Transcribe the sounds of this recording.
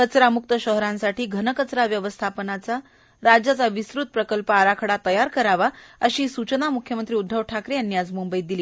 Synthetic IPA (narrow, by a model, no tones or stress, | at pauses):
kət͡sɾamuk̚t̪əɕəɦɾãnsaʈʰiːɡʱənəkət͡sɾaʋjəʋəst̪ʰapənat͡sa | ɾad͡ʑjat͡saʋisɾut̪̚pɾəkəlpəaɾakʰəɽat̪əjaɾkəɾaʋaəɕiːsut͡ɕənamukʰjəmənt̪ɾiːud̪ʱːəʋʈʰakɾiənːjad͡zmumbəid̪iliː